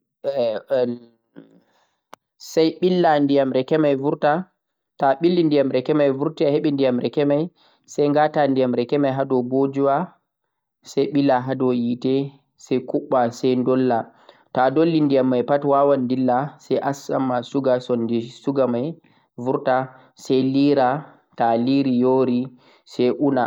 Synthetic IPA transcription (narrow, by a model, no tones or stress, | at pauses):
sajɓilːandijamɾɛkɛmajvuɾta | taɓilːindijamɾɛkɛmajvuɾtɛaheɓɛndijamɾɛkɛmaj | sajŋɡatandijamɾɛkɛmajɦadɔbod͡ʒuwa | sajɓilːaɦadɔjitɛ | sɛjkuɓasɛjndɔlːa | tadolːindijamːajpatwawandilːasɛjʔasamːasuɡasɔndisuɡamaj | vuɾta | sɛjliɾa | taliɾijoɾi | sɛjʔuna